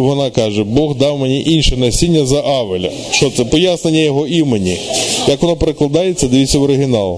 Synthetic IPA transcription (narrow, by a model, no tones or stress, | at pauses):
ʋɔnɑkɑʒɛbɔɣd̪ɑwmenʲiʔinʲʃɛnɐsʲinʲːɐzɐʔɑʋelʲɐ̰ | ʃt͡ʃɔt̪sɛpɔjasne̞nʲːɐjɔɦɔimenʲijɐkʋɔnɔpeɾeklˠɐd̪ɑjett͡sʲsʲːɐd̪ɪʋʲit̪ʲsʲːɐʋɔɾɪɦʲɪnɑlˠ